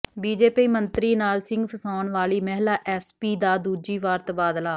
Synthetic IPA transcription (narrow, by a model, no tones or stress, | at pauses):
biːd͡ʒeːpiːmənt̪ɾiːnaːlsɪŋɡpʰəsaːnʋaːliːmɛɦlaːʔɛːspiːd̪aːd̪uːd͡ʒiːʋaːɾt̪baːd̪laː